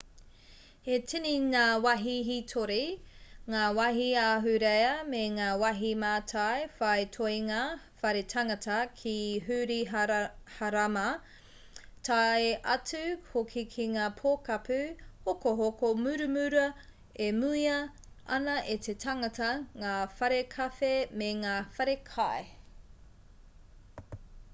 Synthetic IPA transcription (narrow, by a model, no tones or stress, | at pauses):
hetiniŋaːwɐɦiɦitʰoɾeŋaːwɐɦiaːɦʉɾejɐmeŋaːwɐɦimaːtʰajfɐjtʰojŋa | fɐɾetʰɐŋɐtʰɐkʰiɦʉɾiɦhaɾamɐ | tʰajeʔɐt͡sʉhokʰikʰiŋaːpʰoːkɐpʰʉhokoɦokomʉɾʉmʉɾɐ | emʉiɐ | ɐ̰nɐʔet̪ʰetʰɐŋɐtɐŋaːfɐɾekʰɐfemeŋaːfɐɾekʰae